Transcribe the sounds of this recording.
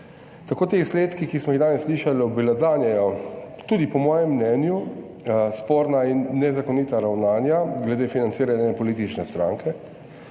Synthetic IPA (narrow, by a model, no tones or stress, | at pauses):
t̪akoːt̪eisleːt̪kikismɔiɣd̪aːnɛsːliːʃalɔbilazaːnjɛjɔ | t̪uːd̪ipɔmɔːjɛmːnɛnju | spoːɾnainːɛzakɔnit̪aɾawnaːnjaɡlɛd̪eːfinant̪siːɾanjapɔliːt̪it͡ʃnɛst̪ɾa̰ːŋkɛ